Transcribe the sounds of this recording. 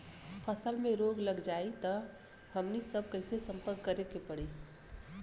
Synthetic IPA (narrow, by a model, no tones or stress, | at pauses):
pʰəsəlmẽɾoɡləɡd͡ʒait̪ə | həmnisəb̚ʱkəɪsesə̃mpəɾkːəɾekepəɽiː